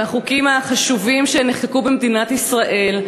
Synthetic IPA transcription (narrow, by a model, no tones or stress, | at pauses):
haχukimaχaʃuvimʃeneχkekubemd̪inat̪isʁaʔe̞l